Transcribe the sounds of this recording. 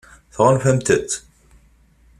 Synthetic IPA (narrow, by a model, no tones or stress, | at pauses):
θʁənfæmt̪ət̪